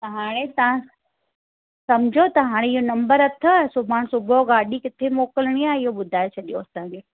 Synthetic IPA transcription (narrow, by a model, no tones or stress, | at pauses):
t̪ɐɦaːɽ̃et̪ɐʋ̤ã | sɐmd͡ʑʱot̪ɐɦaːɽ̃eɪɦonɐ̃mbəɾɐt̪ʰosʊbʱaːɽ̃sʊbʱoɡaːɗikɪt̪ʰemoːkəlɪɽ̃iaːɪɦoɓʊd̪ʱaːet͡ɕʰɐɗijoɐsãd͡ʑeː